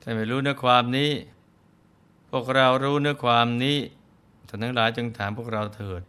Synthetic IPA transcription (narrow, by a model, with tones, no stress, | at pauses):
t̪ʰaː˥˩maː˧˩ɾuː˦˥nɯ˦˥ɐkʰwaː˧mniː˦˥˩ | pʰu˥˩ək̚ɾa˧wɾuː˦˥nɯ˦˥ɐkʰwaː˧mniː˦˥ | t̪ʰaː˨˩t̪ʰaː˦˧˥ŋlaː˩˦jt͡ɕɯ˧ŋt̪ʰaː˩˦mpʰu˥˩ək̚ɾa˧wt̪ʰɤː˨˩t̪̚